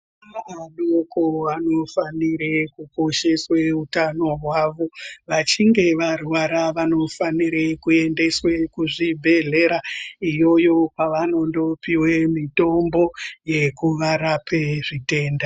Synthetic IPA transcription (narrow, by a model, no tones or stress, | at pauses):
aaɗokoano̞faniɾekuko̞ʃe̞swe̞utano̞ɦwaʋo̞ʋat͡ʃiŋɡe̞ʋaruwaɾaʋano̞faniɾekue̞nde̞swe̞kuʐibʱe̞ɮe̞ɾaijo̞jo̞paʋano̞ndo̞piwemito̞mbo̞je̞kuʋaɾapʰe̞ʐite̞ːnda